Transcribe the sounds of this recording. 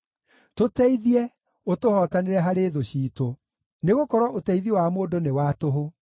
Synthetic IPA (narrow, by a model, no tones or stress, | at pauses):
totɛiðiɛ | otohɔtaneɾɛɦaɾeːðoɕiːto | neɣokɔɾwɔʔotɛiðiewamoːdonewatoɦo